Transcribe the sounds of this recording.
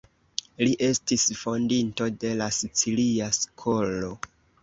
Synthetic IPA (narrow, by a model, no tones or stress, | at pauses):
liʔe̞stisfo̞ndinto̞de̞lasit͡siliask̞ʰo̞lo̞